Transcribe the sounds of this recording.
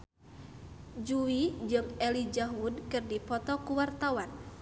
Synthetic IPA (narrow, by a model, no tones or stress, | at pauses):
d͡ʒuwid͡ʒɨŋɛlid͡ʒaɦud̚kɨrdipɔt̪ɔkuwart̪awan